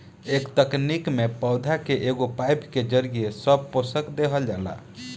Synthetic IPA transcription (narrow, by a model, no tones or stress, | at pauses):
ekt̪əknikmepəʊd̪ʱakeʔeɡopajpked͡ʒəɾɡijesəb̚posəkd̪eɦəld͡ʒala̰